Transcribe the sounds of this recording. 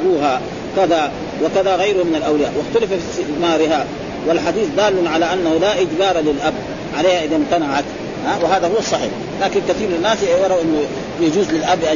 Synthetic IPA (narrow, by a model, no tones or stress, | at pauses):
ɾuːɦa | kaða | wɪkaðaɣajɾʊhmɪnalʔawlɪjaːʔwɪxt̪alafafismaːɾɪɦa | walħad̪iːθd̪aːlːanʕalaʔanːahulaʔɪd͡ʒbɑːɾˤalɪlʔab | ʕaleːhaʔɪðamt̪anaʕat̪ | hawɪɦaːðahuwːɑsˤːɑħḭːħ | laːkinkaθiːɾmanːaːsjɑɾˤɑʔɪnːu | jad͡ʒuːzlɪlʔabːʔa